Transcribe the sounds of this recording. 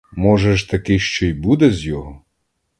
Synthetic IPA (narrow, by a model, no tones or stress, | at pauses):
mɔʒɛʃt̪ɐkɪʃt͡ʃɔjbud̪ɛzʲjɔɦɔ